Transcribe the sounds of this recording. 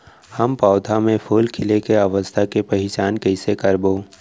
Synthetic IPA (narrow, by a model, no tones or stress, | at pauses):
həmpaːʊd̪ʱamẽpʰuːlkʰɪlekeaʋəst̪ʰakepɐɦɪt͡ʃaːnkɐɪsekɐɾboː